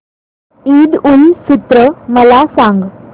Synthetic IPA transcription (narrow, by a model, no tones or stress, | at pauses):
id̪ulsut̪ɾəməlasãŋɡ